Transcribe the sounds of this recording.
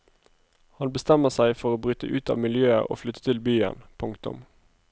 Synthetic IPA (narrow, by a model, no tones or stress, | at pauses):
hɑnbəst̪ɛməʁsæɪfɔʁoːbʁyt̪əʔʉːt̪ɑ̰ːʋmɪljøːəʁo̰ːflʏt̪ːə̥t̪ʰɪlbyːə̰npʰʊŋkt̪ʊ̰m